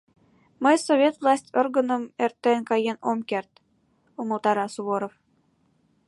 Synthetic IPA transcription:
məjsovʲet̪vlˠɑsʲtʲorɡɤ̆nɤ̆mert̪ːenkɑjenomkert̪ | umə̆lˠt̪ɑɾɑsuβoɾof

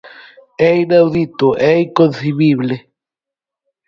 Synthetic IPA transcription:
einawðit̪oʔɛikonθiβiβle

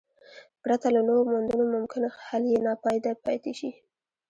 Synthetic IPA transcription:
bɽat̪alanoɾomand̪unomʊmkɪnhaljenɑpɑjd̪apɑ̰jt̪eʃi

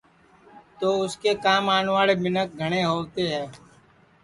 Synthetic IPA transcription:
t̪oːʊskekaːmaːnʋaːɭebɪnək̚ɡʱɐɽ̃eɦoːt̪eɦɛ̃ː

